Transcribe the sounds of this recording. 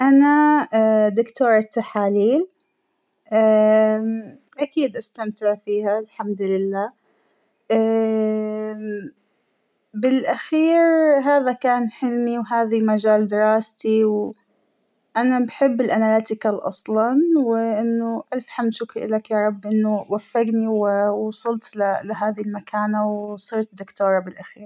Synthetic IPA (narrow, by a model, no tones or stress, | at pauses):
ʔana | d̪ʊkt̪oːɾˤat̪ːaħaːliːl | ʔa | ʔakiːd̪ʔast̪amt̪ɪʕfiːhalħamd̪lɪlːaː | ʔa | bɪlʔaxiːɾɦaːðakaːnħɪlmiwɦaːðimad͡ʒaːld̪ɪɾɑːst̪iw | ʔanabħɪbːɪlʔanalaːt̪ɪkalʔɑ̰sˤlɑnwɪʔɪnːʊʔafħamʃʊkʔɪ̰lakjaːɾˤɑbːʔɪnːʊwafːɪɡniwwsˤɑlt̪lɪlɪɦaːðilmakʰaːnawsˤɨɾt̪d̪ʊkt̪oːɾˤɑbɪlʔaxiːɾ